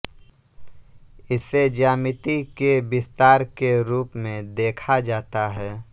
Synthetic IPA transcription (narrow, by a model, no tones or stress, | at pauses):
ɪsed͡ʒaːmɪt̪ikebɪst̪aːɾkeɾuːpmẽd̪eːkʰad͡ʒaːt̪aɦɛː